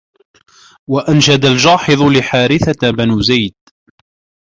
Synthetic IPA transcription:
waʔanʃad̪ald͡ʒɑːħɨðˤʊlɪħaːɾɪθabanuːzajd̪̚

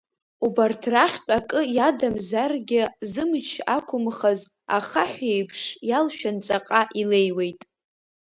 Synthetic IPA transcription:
ubartʰraχʲt͡pʷʼakʼɨjadamzarɡʲɪzɨmt͡ʃʰakʷʰʊmχaz | aχaħʷejpʰʂjalʃᶣant͡sʼaqʼaʔile̞jwe̞jtʼ

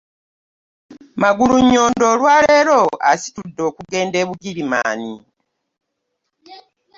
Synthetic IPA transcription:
maɡuluɲːo̞ːndo̞ːlwaːle̞ːɾo̞a̰si̥tudːo̞ːkuɡe̞ːnde̞ːβuɡilima̰ːni

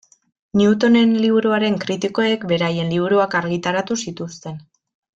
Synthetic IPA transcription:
niut̪o̞ne̞nliβuɾuaɾe̞ŋkɾit̪iko̞e̞kbe̞ɾaje̞nliβuɾuakaɾɣit̪aɾat̪usit̪ust̪e̞n

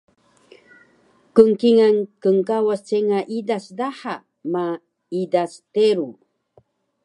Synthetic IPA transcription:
kəŋkiŋankəŋkawast͡seŋaʔidasdaħa | ma | idasteɾu

